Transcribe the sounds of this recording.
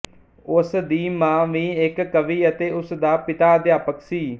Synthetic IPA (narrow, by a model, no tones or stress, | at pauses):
ʊsd̪iːmãːʋiːɪkːəʋiːət̪eːʊsd̪aːpɪt̪aːd̪ɪjaːpəksiː